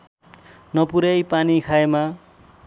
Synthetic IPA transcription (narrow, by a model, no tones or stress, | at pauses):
nʌpuɾʌjpanikʰaema